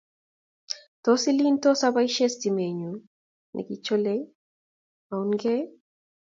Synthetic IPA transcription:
tosi˦linto˦saβaiʃe˦stime˨ɲu˨ | nʔḭ˨ki˨t͡ʃo˦le | a˨unɡɛ˦

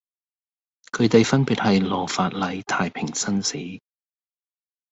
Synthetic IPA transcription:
kʰɵ˨˧ɥt̪e˨jfɐ˥npiː˨˩t̚hɐ˨jlɔː˨˩faː˨t̚lɐ˨˧jt̪ʰaː˨˧jpʰɪ˨˩ŋsɐ˥nsiː˨˥

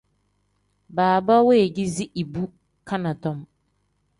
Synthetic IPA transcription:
baː˨ba˦we˦e˨ɡi˦zi˦ʔi˨bu˦ | kʰa˦nã˨tʰɔ̃˦m

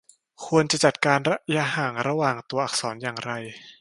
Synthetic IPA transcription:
kʰu˧ənt͡ɕa˨˩t͡ɕa˨˩t̪̚kaː˧nɾa˦˥ʔja˧haː˨˩ŋɾa˧waː˨˩ŋt̪u˧ɐʔa˨˩k̚sɔː˩˦njaː˨˩ŋɾa˧j

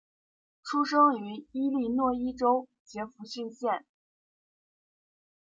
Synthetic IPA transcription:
ʈ͡ʂʰu˥ʂɤ˥ŋy˧˥i˥li˥˧nwɔ˥˩i˥ʈ͡ʂo˥ʊ | t͡ɕjɛ˧˥fu˧˥ɕy˥˧nɕjɛ˥˩n

